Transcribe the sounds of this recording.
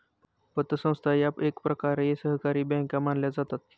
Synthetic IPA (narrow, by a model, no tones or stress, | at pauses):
pət̪ːəsə̃w̃st̪ʰajapekpɾəkaɾejesəɦkaɾiːbɛ̃kamanljad͡zat̪at̪